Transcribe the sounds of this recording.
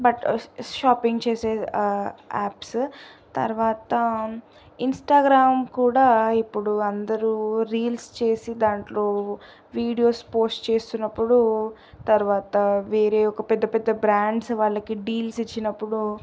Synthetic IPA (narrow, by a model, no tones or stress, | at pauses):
bɐʈʃaːpiŋɡt͡ʃeːseː | aːpst̪ɐ̰ɾʋaːt̪ɐ | insʈaːɡɾaːmkuːɽaːipːuɽuɐnd̪ɐɾuɾiːlst͡ʃe̞ːsid̪aːɳʈlo̞ː | ʋiːɽijo̞ːspoːsʈt͡ʃe̞ːst̪unːɐpːuɽu | t̪ɐɾuʋaːt̪ɐʋeːɾeːɔkɐpɛd̪ːɐpɛd̪ːɐbɾaːɳɖsʋaːɭːɐkiɖiːlsit͡ʃːinɐpːuɽu